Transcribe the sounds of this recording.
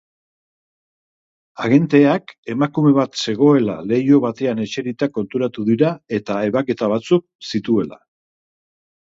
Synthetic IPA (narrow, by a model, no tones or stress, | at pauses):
aɣe̞nt̪e̞ake̞makume̞β̞at̪se̞ɣ̞o̞e̞la̰le̞jo̞βat̪e̞ane̞t͡ʃe̞ɾit̪ako̞nt̪uɾat̪uðiɾae̞t̪ae̞βake̞t̪aβ̞at͡suk̚sit̪ue̞la̰